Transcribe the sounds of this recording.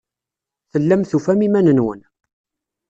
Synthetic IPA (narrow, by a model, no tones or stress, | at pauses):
θəlːæmθufæmimænənwə̰n